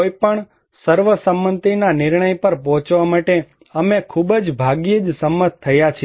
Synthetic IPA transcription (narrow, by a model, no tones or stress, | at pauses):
ojpəɳ | səɾʋəsəmːənt̪inanɪɾɳəjpəɾpɔɦɔ̃t͡ʃʋamaʈe | əmekʰubəd͡ʒbʱaɡiəd͡ʒsəmːət̪ʰːəjat͡ʃʰ